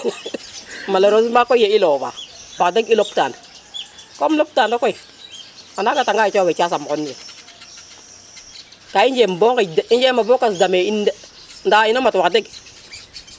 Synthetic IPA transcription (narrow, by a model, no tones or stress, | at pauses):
maloɾosmakojeilova̰wakdeɡilop̚ta̰ːna | komlop̚tandokoi | manaɡataŋɡait͡ʃowet͡ʃasamkonːie | kaind͡ʒembokadind͡ʒemabokasdameind | ndainamatwakdeɡ